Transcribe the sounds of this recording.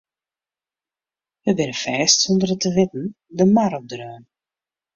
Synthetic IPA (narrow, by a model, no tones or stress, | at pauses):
ʋəbɪnəfɛːstsɔndərətəʋɪtən̩ | dəmaɾɔp̚drøːn